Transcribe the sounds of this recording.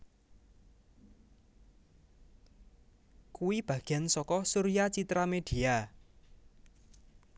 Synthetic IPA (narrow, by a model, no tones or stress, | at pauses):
kuwib̥ä̤ɡ̥ɛnsɔkɔsuɾiat͡ʃit̪ɾamed̥i̤a